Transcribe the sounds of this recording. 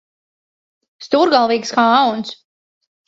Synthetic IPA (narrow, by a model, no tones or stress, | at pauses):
st̪uɾɡalˠviːkskauns